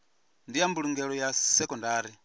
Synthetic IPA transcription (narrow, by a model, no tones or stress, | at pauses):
ndijambuluŋɡɛlɔjasɛkɔndaːɾi